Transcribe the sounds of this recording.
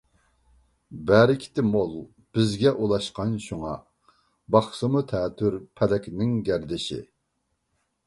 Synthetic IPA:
bæɾɪkʲʰi̥t̪ʰɪmolˠ | b̥ɪzɡʲɛʔulˠɑʃqɑnʃuŋɑ | bɑχsɨmut̪ʰɛːt̪ʰyɾpʰɛlɛkʲnɪŋɡʲæɾd̪ɪʃɪ̰

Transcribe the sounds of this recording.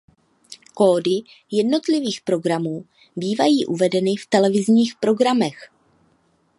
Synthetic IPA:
koːdɪ | jɛdno̞t̪lɪviːxpɾo̞ɡɾamuː | biːvajiːʔuvɛdɛnɪft̪ɛlɛvɪzɲiːxpɾo̞ɡɾamɛx

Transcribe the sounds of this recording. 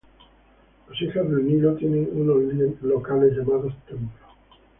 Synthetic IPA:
losixazðelnilot̪jeneunolielokaleʝamaðost̪emplo

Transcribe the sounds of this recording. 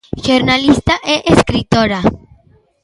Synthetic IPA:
ʃoɾnalist̪aʔeʔeskɾit̪oɾa

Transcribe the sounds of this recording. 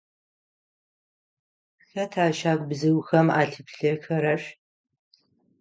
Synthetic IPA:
xɐtʰaːʃaːk̚ʷʼbzɨwxɐma̰ːɬɨpɬɐxɐɾɐɕ

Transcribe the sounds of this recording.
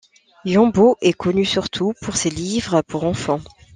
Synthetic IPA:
jɑ̃boʔɛkɔnysyʁt̪ʰupʰuʁselivʁəpuʁɑ̃fɑ̃

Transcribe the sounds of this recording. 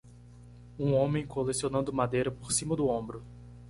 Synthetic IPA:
ũõmẽj̃kolesionɐ̃nd̪ʊmad̪ejɾɐpoɾsĩmɐd̪ʊõbɾʊ

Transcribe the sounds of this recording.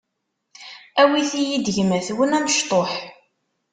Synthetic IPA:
æwiθijid̪əʝmæθwənæməʃt̪ˤoħ

